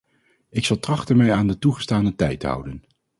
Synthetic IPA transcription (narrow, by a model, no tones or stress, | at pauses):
ɪksɑlˠtrɑχtənmɛjaːndətuχə̥staːnətɛjtəɦʌ̰wdən